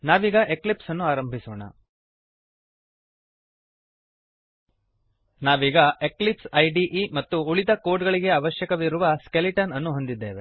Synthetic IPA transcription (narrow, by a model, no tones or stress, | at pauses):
naːʋiːɡɐʔeklipsɐnːuaːɾɐmbʱisoːɳɐ̰ | naːʋiːɡɐe̞klipsɐjɖiʔmɐt̪ːuuɭid̪ɐkoːɾɖɡɐɭiɡe̞ɐʋɐʃjɐkɐʋiɾuʋɐskeliʈɐnɐnːuɦond̪id̪ːe̞ːʋe̞̰